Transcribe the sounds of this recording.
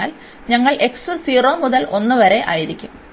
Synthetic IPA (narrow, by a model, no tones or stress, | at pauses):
aːl | ɲɐŋːɐɭʔe̞kssiːro̞ːmuðɐlo̞nːɨʋɐɾe̞ʔa̰ːjiɾikʲːum